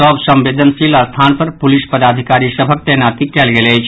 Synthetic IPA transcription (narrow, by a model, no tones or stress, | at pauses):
ɔːbsə̃mʋeːd̪ʱənsilast̪ʰaːnpəɾpʊlɪspəd̪aːd̪ʱɪkaːɾisəbʱək̚t̪ɛɦnaːt̪ikɛːlɡelet͡ʃʰ